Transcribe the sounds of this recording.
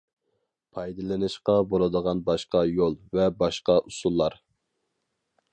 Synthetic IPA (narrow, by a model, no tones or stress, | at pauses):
pʰɑjd̪ɨlˠɨnɨʃqɑbolˠɨd̪əʁɑnbɑʃqɑjolˠvɛbɑʃqɑʔusulˠːɑɾ